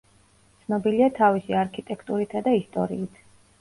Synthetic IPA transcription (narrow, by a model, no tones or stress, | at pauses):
t̪sʰnɔbiliat̪ʰavisiaɾkʰit̪ʼɛkʰt̪ʼuɾit̪ʰad̪aist̪ʼɔ̰ɾḭːt̪ʰ